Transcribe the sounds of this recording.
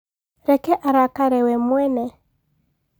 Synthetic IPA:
ɾɛkɛʔaɾakaɾɛwɛmwɛnɛ

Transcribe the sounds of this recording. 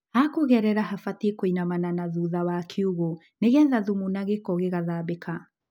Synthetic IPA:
akoɣɛɾɛɾaɦafatiekoinamananaðuðawakʰeuɣo | neɣɛnðaðumunaɣekɔɣeɣaðabekʰa

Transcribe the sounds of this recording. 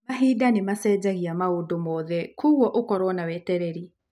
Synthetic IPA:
maɦidanemasɛd͡ʒaɣiamaodomɔðɛkʰuwɔʔokɔɾwɔnawɛtɛɾɛɾi

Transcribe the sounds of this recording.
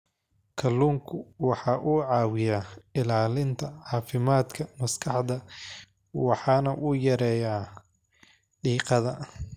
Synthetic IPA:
kʰɐlːuːŋkʰʊwɑħɑːʔʊːʕɑːwɪjaːɪlaːlɪnt̪ʰɐʕɑːfɪmaːd̪kʰɐmɐskʰɑħd̪ɐ | wɑħɑːnɐʔʊjɐɾɛːjaː | ɖiːqɑðɐ

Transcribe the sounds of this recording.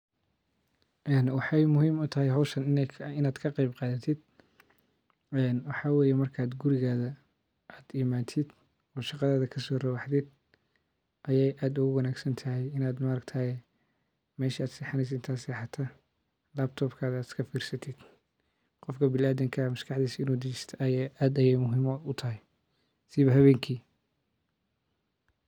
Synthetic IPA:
ʔɛːnwɑħɑjmʊhiːmʊt̪ʰɐɦɛjɦɐwʃɐnɪnɪnaːd̪kʰɐqɑjbqɑːðɐt̪ʰɪd̪̥ | ɛːnwɑħɑːwɛːjɛmɐrkʰaːd̪ɡʊɾɪɣaːðɐ | ʔaːd̪imaːt̪ʰɪd̪ | ɔːʃɑqɑðaːðɐkʰɐsɔːrɐwɑħd̪ɪd̪ | ʔɐjɛjʔaːd̪ʊɣʊwɑnaːɡsɐnt̪ʰɐɦɛjɪnaːd̪maɾɐɡt̪ʰɐɛ | mɛːʃiaːd̪sɛħɑnɛjs̬ɪnt̪ʰaːsħat̪ʰaː | laːbt̪ʰɔːbkʰaːðːd̪skʰɐfiːrsɐt̪ʰɪd̪̥ | qɔfkʰɐbɪlaːðɪŋkʰɐmɐskʰɑħd̪iːsɪnuːd̪ɪt͡ʃɛst̪ʰɐʔɐjaːʔaːd̪ɐjɛjmʊɦimɔʊt̪ʰɐɦɛj | sɪβɐɦɐβɛːŋkʰiː

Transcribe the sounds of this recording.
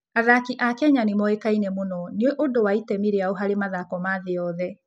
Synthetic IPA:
aðakiʔakɛɲanimɔekainemonɔneoʔodowaitɛmiɾeaoɦaɾemaðakɔmaðeɔðɛ

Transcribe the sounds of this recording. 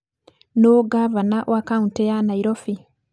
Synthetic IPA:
noɡaβanaʔwakauntejanaiɾofi

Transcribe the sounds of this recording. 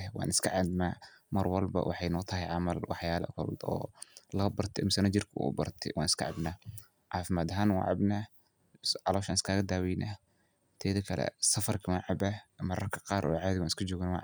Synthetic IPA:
wɑ̰ːnɪskʰɐʕɑd̪maːmɐrwɑlbɐ̰wʔɑħɑjnɔːt̪ʰɐɦɛjʕɑmɐlwɑħjaːlɐ̰kʰɔ̰ld̪ɔ̰ːlɐbɐrt̪ʰɪmɪsɐnɐd͡ʒɪrkʰɐṵːbɐ̰rt̪ʰɪ̰wɑːnɪskʰɐʕɑbnaː | ʕɑːfɪmaːd̪ɐɦaːnwɑ̰ːʕɑ̰bna | ʕɑlɔːʃanɪskʰaːɣɐd̪aːwɛjnʔa | t̪ʰɛːðɐkʰɐlɛ̰sɐfɐrkʰɐwaːʕɑbamɐɾɐrkʰɐ̥qɑːɾʔɔːʕɑːðɪwaːnɪskʰɐd͡ʒɔːɣɪnwɑ̰ːʕ

